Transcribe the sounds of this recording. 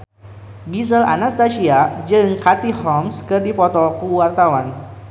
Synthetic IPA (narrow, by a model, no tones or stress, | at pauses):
ɡisəla̰nast̪asiad͡ʒɨŋkat̪ihɔmskɨrdipɔt̪ɔkuwart̪awan